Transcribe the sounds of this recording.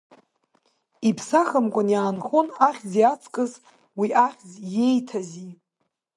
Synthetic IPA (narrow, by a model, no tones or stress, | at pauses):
ipʰsaχəmkʷʼʊnjaːnχonaχʲzijat͡sʰkʼɨz | wiʔaχʲzje̞jtʰazi